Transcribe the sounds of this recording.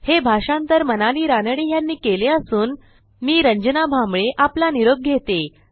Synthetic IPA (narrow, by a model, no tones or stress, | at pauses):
hebʱaʂãnt̪əɾmənaɭiːɾanəɽijanːiːkeleəsuːn | miːɾəɲd͡ʑənabʱambɭeʔaplaniɾoɡ̚ɡʱet̪e